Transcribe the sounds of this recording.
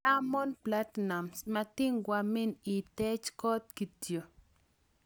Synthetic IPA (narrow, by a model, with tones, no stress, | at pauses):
a˦mɔ˦npla˦t̪na˨msma˧t̪i˦ŋɡwa˨mi˦ni˨t̪ɛ˦t͡ʃkɔ˦t̪̚ki˨t̪jo˨